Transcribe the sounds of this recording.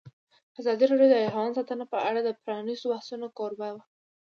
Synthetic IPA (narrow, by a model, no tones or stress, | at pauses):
azɑd̪iɾɑɖjod̪əaɾwɑnsɑt̪ənapəaɽad̪əpɾɑnizbahsunokoɾbawa